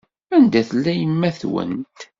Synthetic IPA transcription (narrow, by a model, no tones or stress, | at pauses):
ænd̪æθlːæjəmːæθwə̰nt̪